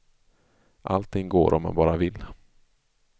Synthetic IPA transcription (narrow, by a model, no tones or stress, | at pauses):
ʔa̰lt̪ʰːɪŋːɡoːɾʔɔmɛ̰nbɑːɾavɪlː